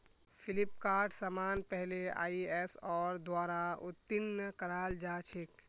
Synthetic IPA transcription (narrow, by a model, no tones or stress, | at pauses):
pʰilipkaːɾʈʰsəmaːnpɛɦlea̰ːiɛsɔːɾd̪waːɾaut̪ːinːəkəɾaːld͡ʒat͡ʃʰik